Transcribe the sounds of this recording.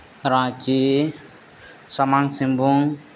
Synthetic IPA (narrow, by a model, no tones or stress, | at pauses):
ɾãːt͡ʃi | sɐmaŋsĩmbʱuŋ